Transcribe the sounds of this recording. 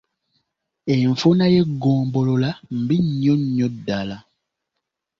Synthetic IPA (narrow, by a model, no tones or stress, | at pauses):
eɱ̩fonajeɡɔ̃ːmbololam̩biɲɲɔ̃ɲːɔ̃dala